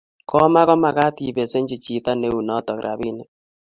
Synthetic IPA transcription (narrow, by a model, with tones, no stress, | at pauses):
kʰɔ˦ma˦kɔ˦ma˨ɣa˦t̪i˨βe˨se˦ɲd͡ʒi˨t͡ʃi˨ta˦ne˦u˨nɔ˦tɔ˨kɾʔa̰˨βi˦ne˦